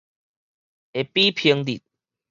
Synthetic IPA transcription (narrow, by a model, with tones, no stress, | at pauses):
e˨pi˦pʰi˧ŋd̪i˨˩t̪̚